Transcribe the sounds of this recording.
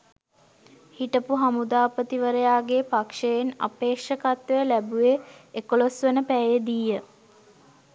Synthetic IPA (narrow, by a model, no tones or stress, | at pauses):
hiʈəpuɦamud̪aːpət̪iʋəɾəjaːɡepakʂejena̰peːkʂəkat̪ʋejəlæbueekolosʋenəpæjed̪ijːə